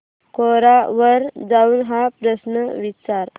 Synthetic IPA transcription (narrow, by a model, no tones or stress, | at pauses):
koɾaʋəɾd͡zaunɦapɾəsnəʋit͡ʃaɾ